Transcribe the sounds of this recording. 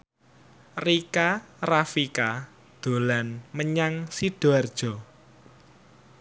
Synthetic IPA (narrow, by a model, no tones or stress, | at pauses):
rikarafika | d̪̥o̤lanməɲaŋsiɖ̥oard̥ʒ̥ɔ̤